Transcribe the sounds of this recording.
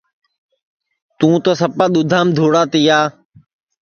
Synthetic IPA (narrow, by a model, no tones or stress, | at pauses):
t̪ũːt̪oːsəpãːɗ̪ʊd̪ʱaːmd̪ʱoːɽaːt̪iːjaː